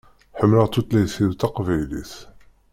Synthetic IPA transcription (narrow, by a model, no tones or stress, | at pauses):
ħəmːləʁt̪ːut̪læjsiðt̪ɑqvæjlḭθ